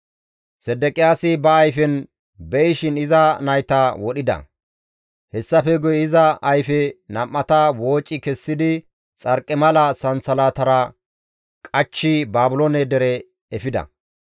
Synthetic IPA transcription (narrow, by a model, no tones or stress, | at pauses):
sɛd̪ːɛkʼɪjaːsɪbɐːjfɛn | bɛjɪʃɪnɪzɐnɐjt̪awɔɗɪd̪ɐ̰ | hɛsːɐfɛɡʊjɛɪzɐɐjfɛnɐmːɐt̪ɐwo̞ːt͡ʃʼːɪkɛsːɪd̪ɪ | t͡sʼɐɾkʼːɛmɐlɐsɐnsɐlaːt̪ɐɾɐ | kʼɐt͡ʃːɪbaːbʊlonɛd̪ɛɾɛ | ɛfɪd̪ɐ̰